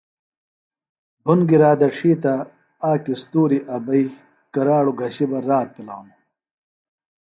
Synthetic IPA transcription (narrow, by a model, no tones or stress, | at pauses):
bʱunɡiɾaːd̪ɐʂiːt̪ɐ | aːkist̪uːɾiʔɐbɐi | kɐɾaːɽuɡʱɐɕibɐɾaːt̪̚pila̰ːnu